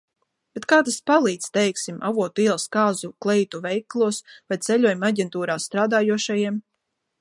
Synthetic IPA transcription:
b̥et̪kaːt̪aspalˠiːt̪st̪ɛjksimʔa̰vuɔt̪iɛlˠskaːzuklˠɛjt̪uvɛjklˠuɔsvajt̪sɛʎʲuɔjumaɟʲɛnt̪uːɾaːst̪ɾaːd̪aːjuɔʃajiɛm

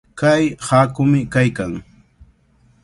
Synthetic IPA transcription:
kajhakʊmɪkajkaŋ

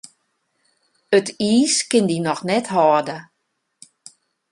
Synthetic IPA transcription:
ətiːskɪndinɔxnɛtɦɔːdə

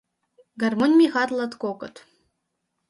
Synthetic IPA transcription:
ɡɐrmonʲmʲixɑt̪lˠɐt̪kʷokət̪

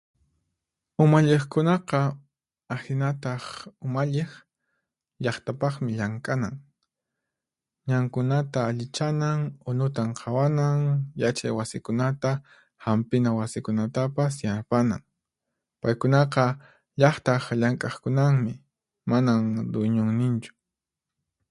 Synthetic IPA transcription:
ʊmaʎeχkʊnɑqɑ | ahɪnat̪ɑχʊmaʎeχ | ʎɑχt̪apɑχmɪʎaŋkʼanaŋ | ɲaŋkʊnat̪aːʎɪt͡ʃanaŋʊnʊt̪aɴqʰɑwanaŋjat͡ʃajwasɪkʊnat̪a | hampɪnawasɪkʊnat̪apas̬janapana̰ŋ | pajkʊnɑqɑ | ʎɑχt̪aχʎaŋkʼɑχkʊnaŋmɪ | manaŋɾʊjɲʊŋnɪnt͡ʃʊ̥

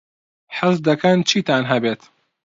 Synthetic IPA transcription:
ħɨzd̪ɐkʰɐnt͡ʃʰiːt̪aːnɦɐbeːt̪

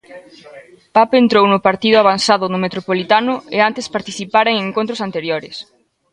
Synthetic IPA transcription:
papent̪ɾownʊpaɾt̪iðʊaβanθaðʊnʊmet̪ɾopolit̪anʊeant̪espaɾt̪iθipaɾeŋeŋkõnt̪ɾʊsant̪eɾjoɾɪ̰s

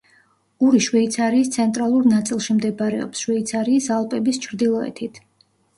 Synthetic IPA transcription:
uɾiʃwɛit̪sʰaɾiːst̪sʰɛnt̪ʼɾalˠuɾnat̪sʼilˠʃimd̪ɛbaɾɛɔ̰psʃwɛit̪sʰaɾiːsalˠpʼɛbist͡ʃʰɾd̪ilˠɔɛ̰t̪ʰit̪ʰ

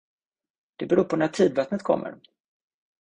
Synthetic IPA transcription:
d̪̥ɛbɛɾuːɾpʰɔnæʈʰiːd̪vɑːt̪nət̪kʰɔ̰mːʔə̰ɾ

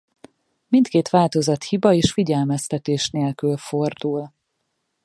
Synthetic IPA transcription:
mint̪keːt̪ʋaːlt̪o̞zɒt̪hibɒeːʃfiɟɛlmɛst̪ɛt̪eːʃneːlkylfo̞rd̪uːl

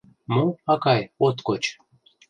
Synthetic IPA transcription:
moɑkɑjot̪kot͡ɕ

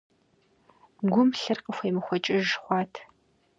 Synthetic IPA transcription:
ɡʷʊmɬɨrqəxʷejmɨxʷɔt͡ʃʼɪʒχʷɑːtʰ

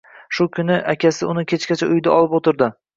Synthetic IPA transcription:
ʃʊkʲʰʊnɪʔakʲasɪʊnɪkʲʰet͡ʃkʲat͡ʃʰaʊjd̪aɒlˠɪpot̪ʰɪɾd̪ɪ

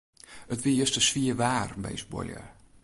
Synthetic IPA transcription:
ətʋiəstəsfiəʋaːrmɛ̰jsbɔ̰ljə̰

